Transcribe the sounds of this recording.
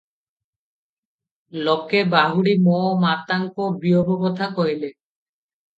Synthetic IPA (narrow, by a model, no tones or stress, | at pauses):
lokebaɦuɽimɔmat̪aŋkobiobobot̪ʰakoɦile